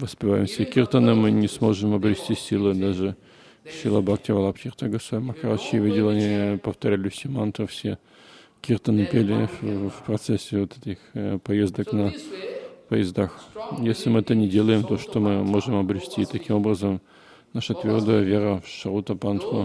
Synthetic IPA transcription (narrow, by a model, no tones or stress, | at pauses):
vəspʲɪva̰jɪmsʲəkʲerʲt̪ənɨmɨnʲɪsmo̞ʐɨmɐbɾʲɪsʲtʲisʲilˠɨd̪aʐɨ | fsʲɪlˠabaktʲɪvɐlˠapkʲɪrt̪əɡəsamɐxɐɾaɕɪvʲidʲɪlˠɐnʲipəft̪ɐɾʲælʲʊsʲɪmant̪ɨfsʲe | kʲert̪ɐnɨpʲelʲɪfprɐt̪sɛsʲːɪvot̪ɛtʲɪxpɐjezd̪əknɐ | pɐjɪzd̪axjesʲlʲɪmɨɛt̪ənʲɪdʲelˠəjɪmt̪o̞ʂt̪omɨmo̞ʐɨmɐbɾʲɪsʲtʲit̪ɐkʲimo̞brəzəm | naʂət̪vʲerd̪əjəvʲeɾəfʂɐɾut̪ɐpant̪χo